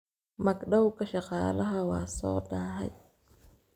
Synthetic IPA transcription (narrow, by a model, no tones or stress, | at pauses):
mɐɡɗɐwkɐʃɐqɑːlɐɦɐwaːsɔ̰ːdaːɦɐ̰j